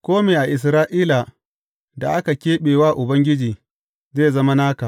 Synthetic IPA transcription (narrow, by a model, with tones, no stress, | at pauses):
kʷoː˦meː˨ʔa˨ʔɪ˨s̬ɾaː˦ʔiː˦la˨ | da˨ʔa˦ka˨kʲeː˦ɓeː˨waː˦˨ʔʊ˨bɐ˦ŋɡʲɪ˦d͡ʒiː˨ | zeː˦zɐ˦ma˦naː˦ka˨ʔ